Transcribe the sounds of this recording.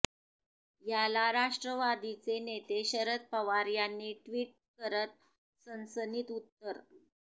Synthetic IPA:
jalaɾaʂʈɾəʋad̪it͡senet̪eɕəɾət̪̚pəʋaɾjanːiːʈʋiːʈ̚kəɾət̪̚ | sənsəniːt̪ut̪ːəɾ

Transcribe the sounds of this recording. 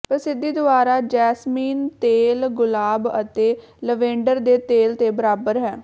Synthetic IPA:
pəɾsɪd̪ːiːd̪ʊaːɾaːd͡ʒɛːsmiːnt̪eːlɡʊlaːbət̪eː | ləʋẽːɳɖəɾd̪eːt̪eːlt̪eːbəɾaːbəɾɦɛː

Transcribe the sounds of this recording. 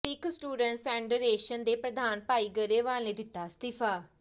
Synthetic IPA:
iksʈuːɖəɳʈsfɛːɳɖəɾeːʃənd̪eːpɾəd̪ʱaːnpaːiːɡəɾeːʋaːlnẽːd̪ɪt̪ːaːst̪ɪfʰaː

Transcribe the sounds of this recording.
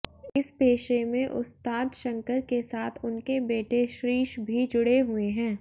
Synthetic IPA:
ɪspeːʃemẽʔʊ̰st̪aːd̪ʃə̃ŋkəɾkesaːt̪ʰʊnkebeːʈeʃɾiːʃbʱid͡ʒʊɽeɦʊeɦɛ̃ː

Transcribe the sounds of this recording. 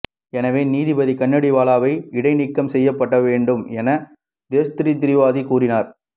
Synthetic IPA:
ɛnɐʋeːniːðɪbɐðikɐɳːɐɽiʋaːlaːʋɐɪɪɽɐɪnɪkːɐmsɛjːɐpːɐʈːɐʋeːɳɖɯmɛnɐ | d̪eːsɐt̪ɪɾit̪ɪɾɪʋaːðikuːrɪnaːɾ

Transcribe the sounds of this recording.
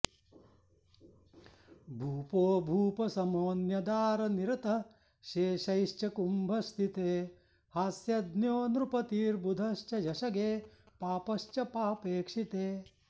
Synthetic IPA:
bʱuːpoːbʱuːpɐsɐmoːnjɐd̪aːɾɐniɾɐt̪ɐ | ʃeːʃɐjiʃt͡ʃɐkumbʱɐst̪ʰit̪eː | hasjɐd̪njoːnɾupɐt̪iːɾbud̪ʱɐʃt͡ʃɐjɐʃɐɡeː | paːpɐʃt͡ʃɐpaːpeːkʂit̪eː

